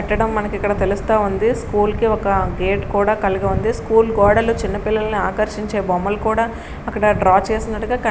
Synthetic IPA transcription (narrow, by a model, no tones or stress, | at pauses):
ɐʈːɐɽɐmːɐnɐkikːɐɽɐt̪e̞lust̪aːund̪iskuːlkiɔkɐɡeːʈkuːɽaːkɐliɡɐund̪iskuːlɡɔːɽɐlut͡ʃinːɐpilːɐlɐniaːkɐɾʃiɲt͡ʃeːbɔmːɐlukuːɽaː | ɐkːɐɽɐɖɾaːt͡ʃe̞ːsinɐʈːuɡaːkɐ